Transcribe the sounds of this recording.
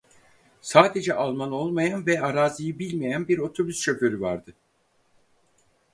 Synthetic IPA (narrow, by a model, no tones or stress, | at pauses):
saːd̪e̞d͡ʒɛʔalˠmano̞lˠmajanvɛaɾaːzɯjɯbilʲmejænbiɾo̞t̪ʰo̞byst͡ʃø̞pø̞ɾyva̰ɾd̪ɯ